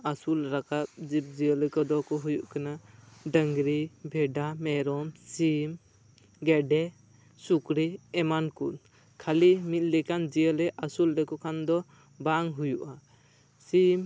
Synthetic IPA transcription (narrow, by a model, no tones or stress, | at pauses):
asulɾakat̪̚d͡ʒip̚d͡ʒiəlɛkɔd̪ɔkɔɦujuʔkanaɖəŋɡɾibʱɛɖamɛɾɔmsim | ɡɛɖɛ | sukɾiɛmankun | kʰalimit̪̚ˀlɛkand͡ʒiəlɛʔasulɾɛkɔkʰand̪ɔ | baŋɦujuʔa | sim